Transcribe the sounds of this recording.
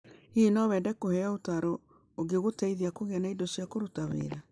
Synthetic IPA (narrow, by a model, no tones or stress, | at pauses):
hinɔwɛːdɛkohɛaotaɾoː | ɡeɣotɛiðiakoɣɛnaidosjakoɾotawḛːɾa